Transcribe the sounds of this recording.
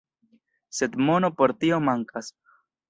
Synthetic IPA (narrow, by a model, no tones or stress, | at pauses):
se̞d̪mo̞no̞po̞ɾt̪io̞maŋkas